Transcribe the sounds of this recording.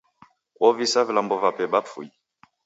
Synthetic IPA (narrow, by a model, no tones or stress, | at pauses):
ɔvisavilambɔvapɛbafṵi